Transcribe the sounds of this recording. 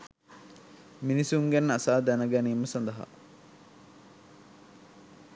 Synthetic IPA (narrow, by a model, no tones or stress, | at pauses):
minisuŋɡænːasaːd̪ænəɡæniːməsand̪əɦa̰